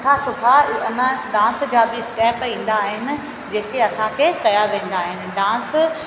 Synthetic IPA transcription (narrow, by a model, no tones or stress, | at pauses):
ʈʰasʊʈʰanaɖãːnsd͡ʑaːbɪɪsʈɛːpĩːn̆d̪aːɦɪnɪ̆ | d͡ʑeːkeɐsãkʰeːkɐjaʋẽːn̆d̪aːɦɪnɪ̆ɖãːns